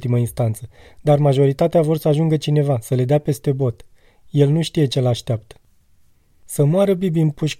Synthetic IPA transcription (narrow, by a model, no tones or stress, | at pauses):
t̪iməinst̪ant̪sə | d̪armaʒo̞ɾit̪at̪eavo̞rsəaʒuŋɡət͡ʃine̞vasəle̞d̪eape̞st̪e̞bo̞t̪ | je̞lnuʃt̪ije̞t͡ʃe̞laʃt̪eap̚t̪ə̥ | səmoaɾəbibinpuʃʲ